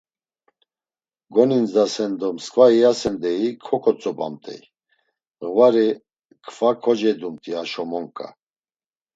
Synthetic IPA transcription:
ɡɔninzd̪asɛnd̪ɔmskʼvaiasɛnd̪ɛikʰɔkʰɔt͡sʼɔpʼa̰mt̪ʼɛ̰j | ɣvaɾi | kʰfakʰɔd͡ʒɛd̪umt̪ʼiaʃɔmɔŋkʼa̰

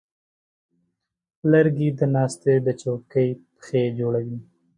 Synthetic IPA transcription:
ləɾɡid̪ənɑst̪ed̪ət͡ʃokəjpxed͡ʒoɽawi

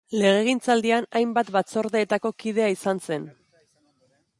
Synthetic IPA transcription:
le̞ɣe̞ɣ̞int͡sald̪ianajmbat̪bat͡so̞ɾðe̞ːt̪ako̞kið̞e̞aisanse̞n

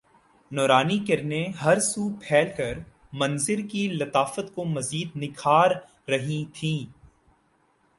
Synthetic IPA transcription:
nɔːɾaːnikɪɾneɦɐɾsuːpʰɛːlkɐɾ | mɐ̃nzɪɾkilɐt̪aːfət̪komɐziːd̪nɪkʰaːɾː | ɐɦĩt̪ʰĩː

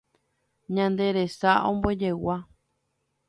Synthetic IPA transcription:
ɲãnd̪e̞ɾe̞saõmboed͡ʒe̞wa

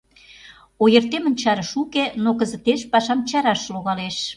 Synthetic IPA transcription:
ojərt̪emə̆nʲt͡ɕɑɾə̆ʃukenokə̆zə̆t̪eʃpɑʃɑmt͡ɕɑɾɑʃloɣɑleʃ

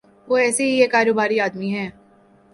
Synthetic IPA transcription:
ʋoːɛːseɦiekaːɾoːbaːɾiaːd̪miɦɛː

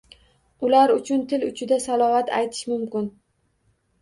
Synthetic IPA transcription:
ʊlaɾʊt͡ʃʰʊnt̪ʰɪlʊt͡ʃʰɪd̪asalˠɒvat̪ʰa̰jt̪ʰɪ̥ʃmʊmkʲɪn

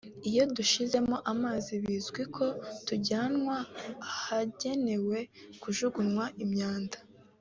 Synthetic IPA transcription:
ijo̞duʃize̞moʔamaːziβizɡwikʰo̞tuɟanŋwahaɟe̞ne̞we̞kuʒuɡunŋwaʔimɲaːndḁ

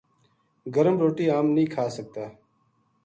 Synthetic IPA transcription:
ɡəɾəmɾoːʈiːaːmnĩːkʰaːsək̚t̪aː

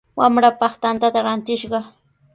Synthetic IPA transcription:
wamɾapɑχt̪ant̪at̪aɾant̪ɪʃɢɑ

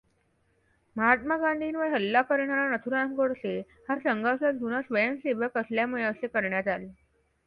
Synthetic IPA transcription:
məɦat̪̚maɡãɳɖ̪ʱinʋəɦəlːakəɾɳalanət̪ʰuɾamɡəɽse | hasəŋɡawsad͡ʑʱunasʋəjəmseʋəkəsljamuɭeəsekəɾɳjat̪ale

